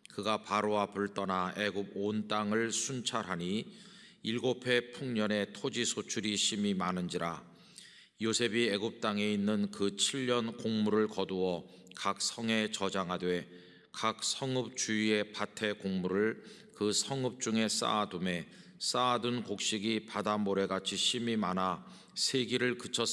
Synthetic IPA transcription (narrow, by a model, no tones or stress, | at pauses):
kɯɡapaɾowapuɭt͈ʌnae̞ɡub̚ont͈aŋɯɭsʰunt͡ɕʰaɾɦaɲi | iɭɡopʰe̞pʰuŋɲʌne̞tʰod͡ʑisʰot͡ɕʰuɾiɕʰimimanɯnd͡ʑiɾa | josʰe̞bieɡup̚t͈aŋe̞inːɯnkɯt͡ɕʰiʎːʌnkoŋmuɾɯɭkʌduwʌ | kak̚sʰʌŋe̞t͡ɕʌd͡ʑaŋɦadwe̞ | kak̚sʰʌŋɯp̚t͡ɕuie̞patʰe̞koŋmuɾɯɭ | kɯsʰʌŋɯp̚t͡ɕ͈uŋe̞s͈a̰dume̞ | s͈adunkok̚ɕ͈iɡipadamoɾe̞ɡat͡ɕʰiɕʰimimana | sʰeɡiɾɯɭkɯt͡ɕʰʌ